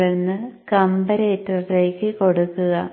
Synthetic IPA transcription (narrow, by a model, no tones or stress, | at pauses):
enːɨkɐmbɐɾeːtːɐrle̞ːkːɨko̞ɽukːuɣɐ